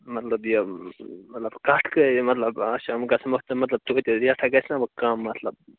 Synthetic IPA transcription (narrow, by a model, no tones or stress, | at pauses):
mɐt̪lɐbjomɐt̪lɐbkaʈʰkəmɐt̪lɐbaʃamkasɐməkt̪ɨmɐt̪lɐb̚t̪ut̪ɾiaʈʰaɡɐsnabɐkamːɐt̪lɐb̚